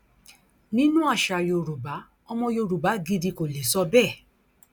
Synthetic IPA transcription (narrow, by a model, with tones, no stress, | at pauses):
nĩ˦nũ˦a˦˨ʃa˨jo˨ɾu˨ba˨˦ | ɔ˧mɔ̃˧jo˧˨ɾu˨ba˨˦ɡi˧di˧ko˨le˨sɔ˧bɛ˦˨